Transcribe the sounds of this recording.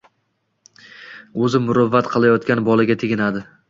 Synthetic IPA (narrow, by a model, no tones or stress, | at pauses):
ɵzɪmʊɾʊvːat̪qʰɨlˠajɒt̪kʲanbɒlˠaɡʲat̪ʰeɡʲɪnad̪ɪ